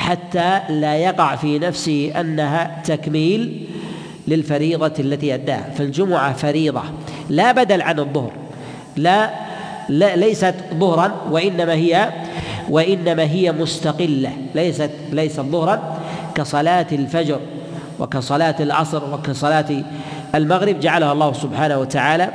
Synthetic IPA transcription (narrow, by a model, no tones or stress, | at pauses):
ħat̪ːalaːjɑqɑʕfiːnafsɪhiʔanːaɦat̪akmiːlː | ɪlfɑɾiːðˤɑalːat̪iːʔad̪ːa̰ːha̰fɪld͡ʒʊmʊʕafaɾiːðˤɑ̰laːbad̪alʕanɨðˤːʊhɾ | la | lalajsat̪ðˤʊhɾˤɑnwaʔɪnːamaːɦɪjawʔaʔɪnːamaːɦɪjamʊst̪ɑqɪlːa | lajsat̪lajsat̪ðˤʊhɾˤɑnkɑsˤɑlaːt̪alfad͡ʒɾ | wɪ̰kasˤɑlaːt̪alʔɑ̰sˤɾwɪkasˤɑlaːt̪ | almaɣɾɪbd͡ʒaʕalahalˤːɑːhʊsʊbħaːnahwat̪aʕaːla